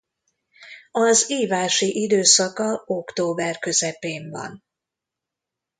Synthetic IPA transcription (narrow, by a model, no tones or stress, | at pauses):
ɒziːvaːʃiʔid̪øːsɒkɒo̞kt̪oːbɛrkø̞zɛpeːɱvɒ̰n